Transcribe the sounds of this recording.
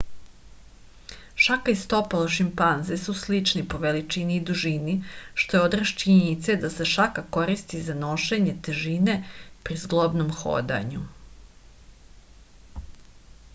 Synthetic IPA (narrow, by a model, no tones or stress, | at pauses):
ʃakaist̪o̞paloʃimpanzesuslit͡ʃnipo̞ʋe̞lit͡ʃiniːd̪uʒiniʃt̪o̞jeod̪ɾaʃt͡ʃiɲenit̪sed̪ase̞ʃakako̞ɾist̪izano̞ʃe̞ɲe̞t̪eʒine̞pɾizɡlˠobnomxo̞̰ːd̪a̰ɲu